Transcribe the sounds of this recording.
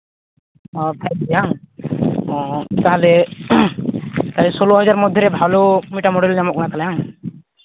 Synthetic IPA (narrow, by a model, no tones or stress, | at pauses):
ɔ̃t̪ʰalɛjaŋ | ɔ̃t̪aɦalɛ | t̪alɛsɔlɔɦɔd͡ʒaɾmɔd̪ʱjɔɾɛbʱalɔmiʈamɔɽɛlɲamɔt̪̚kɔnak̪alɛjaŋ